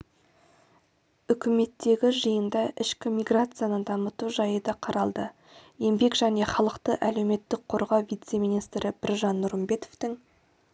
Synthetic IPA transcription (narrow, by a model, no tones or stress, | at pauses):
ʏkʲɪme̞t̪ːe̞ɡʲɪʒəjənd̪ɑʔɪʃkʲɪmʲijɡɾat̪sɨjanənd̪ɑmət̪uʒɑjəd̪ɑqʰɑɾɑlˠd̪ə | je̞mbe̞kʒ̥æne̞χɑlˠəqt̪əʔæle̞wme̞t̪ːɪk̚qʰo̞ɾʁɑwvʲijt̪se̞mʲijnijst̪ɾɪb̥ɪɾʒɑnːʊɾəmbe̞t̪oft̪ɪŋ